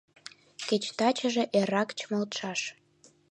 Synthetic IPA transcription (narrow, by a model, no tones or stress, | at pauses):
ket͡ɕt̪ɑt͡ɕəʒeʔeɾɑkt͡ɕməlt̪ʃɑʃ